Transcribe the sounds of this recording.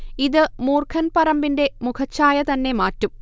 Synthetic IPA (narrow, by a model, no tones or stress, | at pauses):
iðɨmuːrkʰɐnpɐrɐmbinde̞mukʰɐt͡ɕːaːjɐt̪ɐnːe̞maːtːum